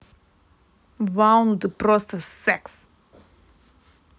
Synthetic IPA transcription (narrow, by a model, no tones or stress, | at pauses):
vãwnd̪əpɾɔst̪əsɛks